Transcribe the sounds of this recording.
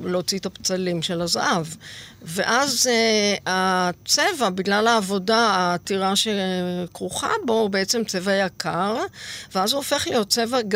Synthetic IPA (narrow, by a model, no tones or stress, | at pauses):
lot͡sit̪apt͡salimʃe̞lazaʔavveʔaz | at͡sevabiɡlalaːvo̞daaːtiʁaʃekʁuχa̰bo̞beet͡se̞mt͡se̞vajakʰaʁveazuofe̞χlijo̞t̚t͡se̞vaɡ